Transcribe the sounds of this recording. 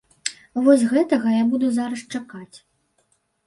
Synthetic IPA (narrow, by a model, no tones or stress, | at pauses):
vɔsʲɣɛt̪ɐɣɐjabud̪uzaɾɐʂt͡ʂakat͡sʲ